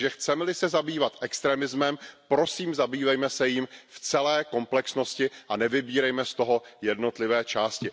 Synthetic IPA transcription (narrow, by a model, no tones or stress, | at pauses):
ʒɛxt͡sɛmɛlɪsɛzabiːvat̪ʔɛkst̪ɾɛːmɪzmɛmpɾo̞siːmzabiːvɛjmɛsɛjɪmft͡sɛlɛːko̞mplɛksno̞scɪʔanɛvɪbiːɾɛjmɛst̪o̞ɦo̞jɛdno̞t̪lɪvɛːt͡ʃaːscɪ